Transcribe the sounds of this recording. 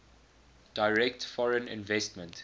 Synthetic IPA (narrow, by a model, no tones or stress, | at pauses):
d̥aɪɹɛk̚tfɔɹə̃nɪ̰̃nvɛstmə̃nt